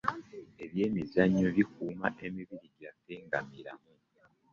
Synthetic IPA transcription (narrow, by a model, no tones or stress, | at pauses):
e̞βje̞ːmizaɲːo̞βikuːma̰ʔe̞miβiɾiɟateːŋɡamiɾa̰mu